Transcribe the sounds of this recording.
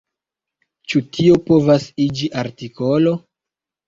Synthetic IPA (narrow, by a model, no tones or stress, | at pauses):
t͡ʃutʰio̞po̞vasid͡ʒiʔaɾtiko̞lo̞